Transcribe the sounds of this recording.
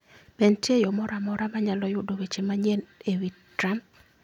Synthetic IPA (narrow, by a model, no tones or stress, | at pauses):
bɛntjejɔmɔɾamɔɾamaɲalɔjʊdowet͡ʃemaɲɛnewi | tɾamp̚